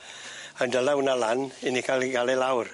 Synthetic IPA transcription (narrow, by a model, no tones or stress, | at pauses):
əndəlawunalaninikʰaliɡalɛlawr